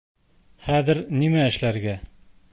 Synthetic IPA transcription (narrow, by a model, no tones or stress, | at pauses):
χæðɘ̆ɾnimæɘ̆ʃlæɾɡæ